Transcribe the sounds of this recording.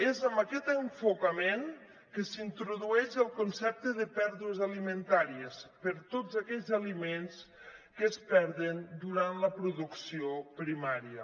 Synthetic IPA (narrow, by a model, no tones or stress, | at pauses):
ezəmbəkɛt̪əɱfukəmeŋ | kəsint̪ɾuðuɛʃəlˠkunsɛp̚t̪əðəpɛɾðuəzalimənt̪aɾiəspəɾt̪ozakɛʎzəlimenskəspɛɾðənd̪uɾant̪ləpɾuðuksiopɾimaɾiə